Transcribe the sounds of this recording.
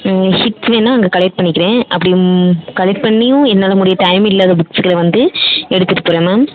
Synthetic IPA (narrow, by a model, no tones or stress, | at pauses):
hɪʈʋeːnːãːɐŋɡɐkɐlɛʈ̚pɐɳːɪkːɪɾẽːʔɐpːɐɽɪjkɐlɛʈ̚pɐɳːɪjʊ̃ɛðɐnaːlɐmʊɽɪjɐʈɐɪmɪlːaːðɐbʊksɯkːɐlɐʋɐnd̪ɯɛɽɯt̪ːɯʈːɯ̥pːʊɾɐ̃maː